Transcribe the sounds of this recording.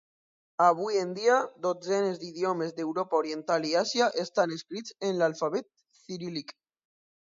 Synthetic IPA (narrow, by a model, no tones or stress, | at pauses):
aβujend̪iad̪od͡zenezd̪iðjomezd̪ewɾopaoɾjent̪aliasjaʔest̪aneskɾit͡senlalfaβet̪̚ | θiɾilik